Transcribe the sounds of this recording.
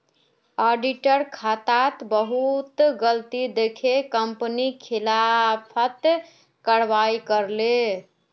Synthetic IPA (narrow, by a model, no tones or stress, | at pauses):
ɔɖiʈəɾkʰat̪at̪bəɦut̪ɡəlt̪id̪ekʰekəmpənikʰilapʰət̪ | kəɽʋaikəɾle